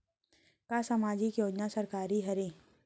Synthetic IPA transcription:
kaːsɐmaːd͡ʒikjoːd͡ʒnasɐɾkaːɾiɦɐɾẽː

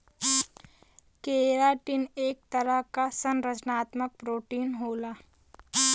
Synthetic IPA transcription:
keːɾaːʈineːk̚t̪əɾəɦkasənɾəd͡ʒnaːt̪mək̚pɾoːʈiːnɦoːlaː

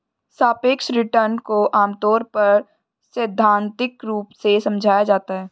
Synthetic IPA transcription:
saːpeːkʃɾɪʈəɾnkoʔaːmt̪ɔːɾpɐɾ | sɪd̪ʱːãːnt̪ɪkɾuːpsesɐ̃md͡ʒʱaːjad͡ʒaːt̪aɦɛː

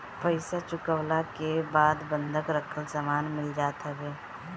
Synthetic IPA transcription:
pəɪsat͡ʃʊkəwlakebaːd̪bə̃nd̪ʱəkɾəkʰəlsamaːnmɪld͡ʒaːt̪ɦɛɡeː

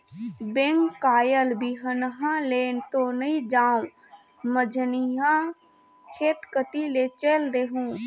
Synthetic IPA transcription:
bẽŋkkːaːjəlbiɦənɦãleːnt̪onəĩd͡ʒaːũ | məd͡ʒʱniɦã | kʰeːt̪kət̪ilet͡ʃeld̪eːɦũː

